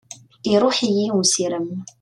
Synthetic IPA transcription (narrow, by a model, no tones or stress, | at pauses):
iɾˤuːħijiwusiɾəm